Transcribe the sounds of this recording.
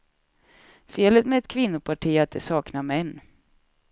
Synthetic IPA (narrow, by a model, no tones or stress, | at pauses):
feːlət̪mɛɛt̪kʰvɪnːʊpʰaʈʰiːat̪̚d̪ɛsɑːknamɛnː